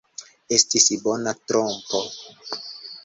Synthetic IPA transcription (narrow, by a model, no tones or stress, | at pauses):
e̞stisbo̞natɾompo